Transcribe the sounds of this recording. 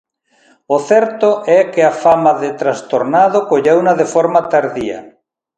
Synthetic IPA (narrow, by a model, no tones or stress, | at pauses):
oθɛɾt̪oʔɛkeafamaðet̪ɾast̪oɾnaðokoʎewnaðefɔɾmat̪aɾðia̰